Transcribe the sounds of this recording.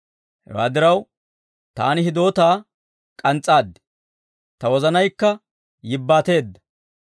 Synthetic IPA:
hɛ̰wa̰ːd̪ɪɾɐw | t̪a̰ːnɪɦɪd̪o̞ːt̪aː | kʼɐnt͡sʼːaːd̪ːɛ̥ | t̪ɐwɔzɐnɐjkːɐ | jɪbːaːt̪e̞ːd̪ːɐ̥

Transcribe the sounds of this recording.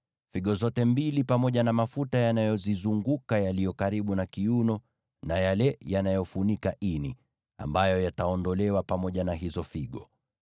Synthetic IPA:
fiɠɔzɔtɛmbilipamɔʄanamafutajanajɔzizuŋɡukajalijɔkaɾiɓunakiunɔ | najalɛjanajɔfunikaʔini | a̰mbajɔjataɔndɔlɛwapamɔʄanaɦizɔfiɠɔ

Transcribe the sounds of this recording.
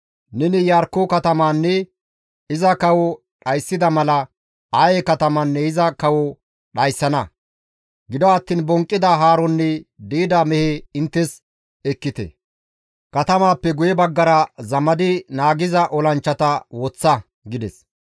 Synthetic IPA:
nɛnɪjaːɾkːʊkɐt̪ɐmaːnːɛ | ɪzɐkɐwɔ | ɗɐjsːɪd̪ɐmɐlɐ | ajɛkɐt̪ɐmɐnːɛɪzɐkɐwɔ | ɗɐjsːɐnɐ | ɡɪd̪ɔɐt̪ːiːnbɔŋkʼːɪd̪ɐɦaːɾɔnːɛd̪iːd̪ɐmɛheɪnt̪ːɛs | ɛkːɪt̪ɛ̰ | kɐt̪ɐmaːpːɛɡʊjɛbɐɡːɐɾɐzɐmɐd̪ɪnaːɡɪzɐʔɔlɐnt͡ʃːɐt̪ɐwɔt͡sːɐ | ɡɪd̪ɛs

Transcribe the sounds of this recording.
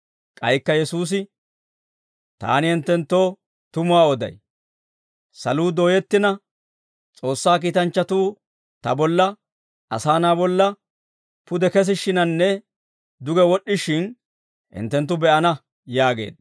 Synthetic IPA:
kʼɐjkːɐjɛsuːs̬ɪ | t̪a̰ːnɪhɪnt̪ːɛnt̪ːo̞ː | t̪ʊmʊaːɔd̪ɐ̰j | sɐluːd̪o̞ːjɛt̪ːɪnɐ | t͡sʼo̞ːsːaːk̬iːt̪ɐnt͡ʃːɐt̪uː | t̪ɐ̰bɔlːɐ | ʔɐ̰saːnaːbɔlːɐ | pʊd̪ɛkɛs̬ɪʃːɪnɐnːɛ | d̪ʊɡɛwɔɗːɪʃɪn | hɪ̰nt̪ːɛnt̪ːʊbɛʔɐnɐ | jaːɡe̞̰ːd̪̚

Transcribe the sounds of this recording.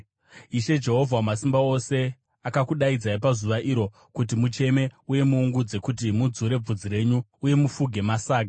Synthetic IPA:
iʃe̞d͡ʒe̞ɦo̞vʱawamasimbao̞se̞ | akakuɗaid͡zaipazuʋaʔiɾo̞ | kut̬imut͡ʃe̞me̞uje̞muːŋɡud͡ze̞kut̬imud͡zuɾe̞b͡vud͡ziɾe̞ɲuːje̞mufuɡʱe̞masaːk̬a

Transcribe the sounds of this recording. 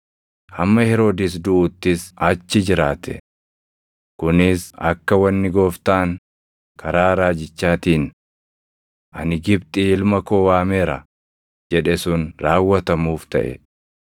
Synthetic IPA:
hɐmːɐhɛɾo̞ːd̪ɪs̬d̪ʊʔːt̪ːɪsɐt͡ʃːɪd͡ʒɪɾaːt̪ʰɛ̰ | kʊnɪsɐ̰kːɐwɐnːɪɡo̞ːft̪aːŋ | kʰɐɾaːɾaːd͡ʒɪt͡ʃːaːt̪iːn | ʔɐnɪɡɪbt̪ʼɪɪlmɐkoːwaːmeːɾɐ̰ | d͡ʒɛᶑɛsʊnɾaːwːɐt̪ɐmuːft̪ɐ̰ʔɛ̰

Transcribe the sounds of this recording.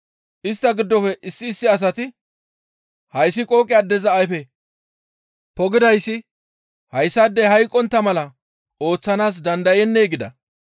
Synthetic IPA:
ʔɪst̪ːɐɡɪd̪ːɔfɛʔɪsːɪːsːɪɐs̬ɐt̪ɪ | hɐjsːɪkʼo̞ːkʼɪjaːd̪ɛzɐːjfɛ | pɔɡɪd̪ɐjsːɪ | hɐjsːad̪ːɛhɐjkʼːɔnt̪ːɐmɐlɐ | ʔo̞ːt͡sːɐnaːs̬d̪ɐnd̪ɐjɛnːeːɡɪd̪ɐ̰

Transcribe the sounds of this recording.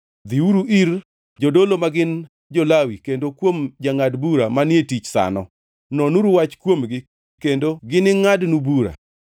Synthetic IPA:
d̪iuɾuʔiɾ | d͡ʒodolomaɡɪn | d͡ʒolawikendokwomd͡ʒaŋadbuɾamanɪetit͡ʃsa̰nɔ | nɔnuɾuwat͡ʃkwomɡɪ | kendoɡɪnɪŋadnubuɾa̰

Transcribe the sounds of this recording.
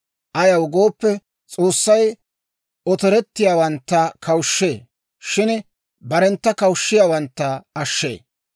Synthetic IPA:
ʔɐjɐwʊɡo̞ːpːɛ | t͡sʼoːsːɐj | ɔt̪ɛɾɛt̪ːɪjaːwɐnt̪ːɐkʰɐwʃːe̞ː | ʃɪn | bɐɾɛnt̪ːɐkɐwʃːɪjaːwɐnt̪ːɐɐʃːḛː

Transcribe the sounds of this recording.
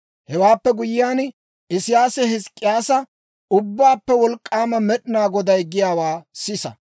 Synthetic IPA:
hɛwaːpːɛɡʊjɪjaːn | ɪsɪjaːsɛhɪskʼːɪjaːsɐ | ʊbːaːpːɛwɔlkʼːaːmɐmɛɗɪnaːɡɔd̪ɐjɡɪjaːwaːsɪsɐ̰

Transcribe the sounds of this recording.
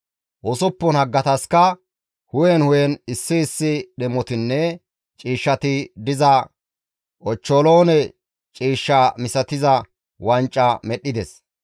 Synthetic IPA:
ʔɔsɔpːɔnhɐɡːɐt̪ɐskɐ | hʊjɛnhʊjɛnɪsːɪːsːɪɗɛmɔt̪ɪnːɛ | t͡ʃʼiːʃːɐt̪ɪd̪ɪzɐ | ʔɔt͡ʃːoloːnɛ | t͡ʃʼiːʃːɐmɪsɐt̪ɪzɐ | wɐnt͡ʃʼːɐmɛɗːɪd̪ɛs

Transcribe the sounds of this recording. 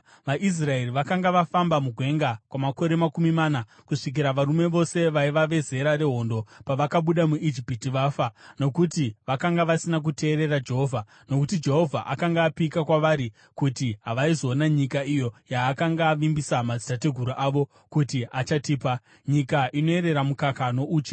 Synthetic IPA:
ʋaʔis̬rae̞riʋakaŋɡaʋafambamuɡʱwe̞ŋɡakwamako̞ɾe̞makumimana | kuʂik̬iɾaʋaɾume̞ʋo̞se̞ʋaiʋaʋe̞ze̞ɾare̞ɦo̞ːndo̞paʋakaɓuɗamuʔid͡ʒipitiʋaːfano̞kutiʋakaŋɡaʋasinak̬ute̞ːɾe̞rad͡ʒe̞ɦo̞vʱa | no̞kutid͡ʒe̞ɦo̞vʱa̰ʔakaŋɡaːpikakwaʋaɾi | kutiɦaʋaizo̞ːnaɲikaijo̞jaːkaŋɡaʋimbisamad͡zi̥tate̞ɡʱuɾuʔaːʋo̞ | kutiat͡ʃatiːpa | ɲikaʔino̞e̞ɾe̞ɾamukakano̞ʔuːt͡ʃe

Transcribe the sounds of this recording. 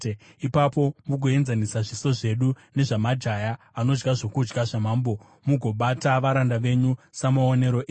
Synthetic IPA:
ipapo̞muɡʱoe̞nzanisaʐiso̞ʐe̞ɗu | ne̞ʐamad͡ʒaja | ano̞d͡ʒɡaʐo̞kud͡ʒɡaʐamaːmbo̞ | muɡʱo̞ɓataʋaɾandaʋe̞ɲusamaone̞ɾo̞ʔe

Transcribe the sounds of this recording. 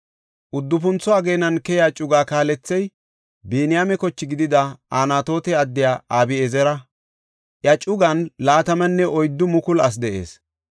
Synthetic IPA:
ʔʊd̪ːʊp̬ʊnt͡sːɔaɡeːnɐnkɛjaːt͡ʃʼʊɡaːkaːlɛt͡sːɛj | beːnɪjaːmɛkɔt͡ʃːɪɡɪd̪ɪd̪ɐaːnaːt̪o̞ːt̪ɛɐd̪ːɪjaːaːbɪɛzɛɾɐ | ʔjɐt͡ʃʼʊɡɐnlaːt̪ɐmɐnːɛʔɔjd̪ːʊmʊkʊlɐs̬d̪ɛʔe̞̰ːs

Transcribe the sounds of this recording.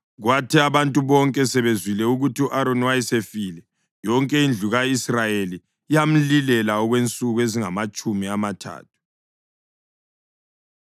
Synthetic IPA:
ɣwatʰiaβantʼuβɔŋkʼɛsɛβezwilɛuɣutʰiuʔaɾonwajisefiːlɛ | jɔŋkʼɛind͡ɮʱuɣaisrajeliː | jam̩lilɛlaɔɣwent͡sʼuɣueziŋamat͡ʃʼumiamatʰa̰ːtʰu̥

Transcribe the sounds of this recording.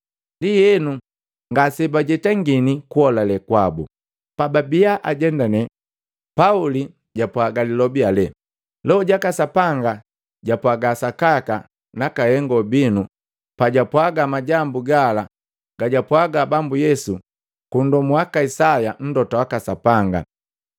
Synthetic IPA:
ndijɛnu | ŋɡasɛbaɟɛtaŋɡinikuhɔlalɛkwabu | pababiaʔaɟɛndanɛ | pauli | ɟapwaɡalilɔbialɛ | lɛɔɟakasapaŋɡa | ɟapwaɡasakaka | nakahɛŋɡɔbinu | paɟapwaɡamaɟambuɡala | ɡ̥aɟapwaɡabambujɛsu | kundɔmuwakaisajan̩dɔtawakasapaŋɡa̰

